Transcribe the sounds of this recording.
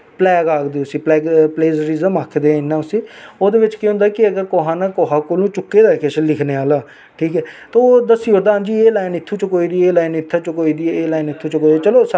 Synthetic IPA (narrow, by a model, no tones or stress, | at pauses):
plɛːɡaːkd̪iːʊsĩːplɛːɡpleːzɾizəmaːkʰd̪ẽːɪnːãːʊsĩːoːd̪eːʋɪt͡ʃkeɦʊ̃nd̪aːkɪəɡəɾkoːɦãːnãːkoːɦãːkoːlũːt͡ʃʊkːeːd̪aːɪkeʃəlɪkʰneːaːlaː | ʈʰiːkɦɛːt̪oːd̪əsːiːʊɾd̪aːnd͡ʒiːeːlaːɪnɪt̪ʰːuːt͡ʃəkoːiːd̪iːeːlaːɪnɪt̪ʰːaːt͡ʃəkoːiːd̪iːɛeːlaːɪnɪt̪ʰːuːt͡ʃəkoːid̪t͡ʃəloːs